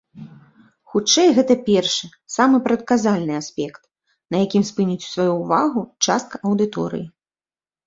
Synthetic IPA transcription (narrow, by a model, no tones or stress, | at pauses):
xut͡ʂɛjɣɛt̪ɐpʲɛrʂɨ | samɨpɾɐt̪̚kazalʲnɨasʲpʲɛkt̪̚ | nɐjakʲimspɨnʲit͡sʲu̥svajuːvaɣut͡ʂast̪̚kɐʔɐwd̪ɨt̪ɔ̰ɾɨ̰ji